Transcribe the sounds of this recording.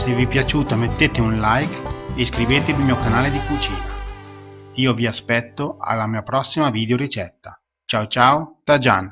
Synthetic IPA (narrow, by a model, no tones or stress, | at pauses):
sevipjat͡ʃuːt̪amet̪ːet̪eunlajkeskɾiveːt̪evimiːokanaːled̪ikut͡ʃḭːna | iːoviaspɛt̪ːoa̰lːamiːapɾɔsːimaviːd̪eoɾit͡ʃɛt̪ːa | t͡ʃawt͡ʃaːwot̪ad͡ʒan